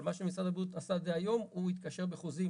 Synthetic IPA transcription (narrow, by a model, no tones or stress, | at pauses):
maʃemisʁad̪abjut̪asad̪ejajo̞muit̪kaʃe̞ʁbeχuzi